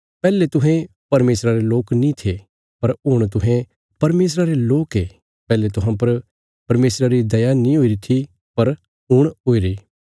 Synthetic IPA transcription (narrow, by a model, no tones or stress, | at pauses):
pɛːlet̪ʊɦẽ | pɐɾmeːsɾaɾeloːknĩt̪ʰe | pɐɾʊɽ̃t̪̬ʊɦẽ | pɐɾmeːs̬ɾaɾeloːkɦe | pɛːlet̪̬ʊɦãp̬ɐɾ | pɐɾmeːsɾaɾid̪ɐjanĩɦoːiɾit̪ʰi | pɐɾ | ʊɽ̃ɦoːiɾiː